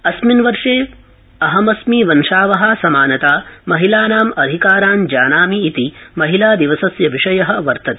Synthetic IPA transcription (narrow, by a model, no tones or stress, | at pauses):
ɐsminʋɐɾʂeː | ɐɦɐmɐsmiːʋɐnʂaːʋɐɦɐsɐmaːnɐt̪aːmɐɦilaːnaːmɐd̪ʱikaːɾaːnd͡ʒaːnaːmiːt̪imɐɦilaːd̪iʋɐsɐsjɐʋiʂɐjɐɦɐ̆ʋɐɾt̪ɐt̪